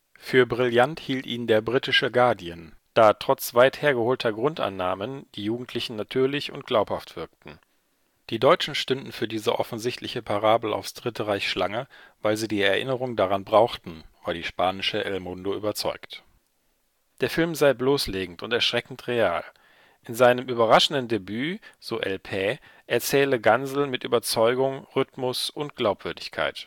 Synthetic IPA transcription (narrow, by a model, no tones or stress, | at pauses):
fyːɐbʁɪljanthiːltʔiːndeːɐbʁitɪʃəɡaɐdiənd̥aːtʁ̥ɔt͡sv̥aɪtheːɐɡəhoːltʰɐɡʁʊnta̰nːaːmənd̥iːjuːɡŋ̩tʰl̥ɪçn̩natʰyːɐlɪçʊ̰nt̚ɡ̥laʊphaftv̥ɪɐk̚tn̩ | d̥iːdɔʏt͡ʃn̩ʃtʏndn̩fyːɐdiːzəʔɔfn̩zɪçtʰlɪçəpʰaʁaːbl̩a̰ʊfsd̥ʁɪtʰəʁaɪçʃlaŋəvaɪlziːdiːɛɐʔɪnəʁʊŋdaʁanbʁaʊxtn̩v̥aːdiːʃpaːnɪʃəʔɛlmʊndoyːbɐt͡sɔʏkt | d̥eːɐfɪlmzaɪbloːsleːɡŋ̩tʊntɛɐʃʁ̥ɛkn̩tʁeaːl | ʔɪnzaɪnəmʔyːbɐʁaʃn̩dndebyːz̥oːʔɛlpʰɛː | ʔɛɐt͡sɛːləɡanzl̩mɪtʔy̰ːbɐt͡sɔʏɡʊŋʁʏtmʊsʊntɡ̥laʊpv̥ʏɐdɪçkʰa̰ɪt